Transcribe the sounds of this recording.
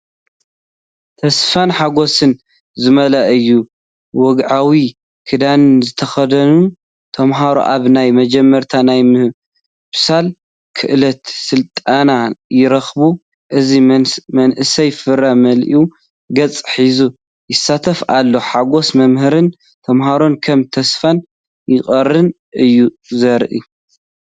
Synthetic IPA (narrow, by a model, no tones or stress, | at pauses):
t̪ʰɐsfanħaɡo̞sɨn | zɨmɐlɐʔɨjːu | wɔɡʕawi | kʰɨd̪anɨnzɨt̪ʰɐxɐd̪ɐnu | t̪ʰɐmɦaɾo̰ʔaβnajmɐd͡ʒɛmːɐɾt̪ʰanajmɨ | bɨ̥sal | kʰɨʔɨlɐt̪sɨlt̪ʼanajɪɾɐxbu | ʔɨzimɐnʔɨsɐjfɨɾamɐlʔu | ɡɐt͡sʼħizu | jɪsːat̪ʰɐfalːo̞ħaɡo̞smɐmhɨɾɨn | t̪ʰɐmɦaɾo̞nkʰɐmt̪ʰɐsfan | jɪχʼɐrɨn | ʔɨjːu | zɐɾʔḭ